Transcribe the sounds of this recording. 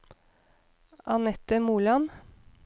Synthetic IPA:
ʔɑnɛt̪əmuːlɑn

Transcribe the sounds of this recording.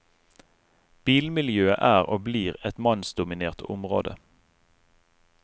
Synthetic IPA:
b̥iːlmɪljøːəʔæːʁoːbliːʁɛt̪mɑnsd̪ʊmɪneːʁt̪ʊ̰mʁo̰ːd̪ə

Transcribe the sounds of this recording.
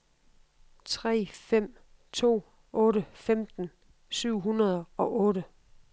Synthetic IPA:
t͡sʰʁɛ̰ːfem̰ | t͡sʰo̝̰ː | ɔ̽ːɾəfemd̥n̩ | syʊ̰ɦunɐð̞ˠɒ̽ʔɔ̽ːɾə

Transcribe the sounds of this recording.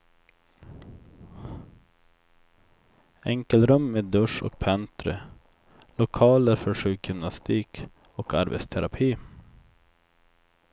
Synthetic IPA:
ɛŋkəlɾɵmːeːd̪ːɵʂɔ̰k̚pʰɛnt̪ɾə̰ | lʊkʰɑːləɾfœʂʉːkjʏmnast̪ʰiːk | ɔkaɾbɛ̰t̪st̪ʰɛɾapʰiː

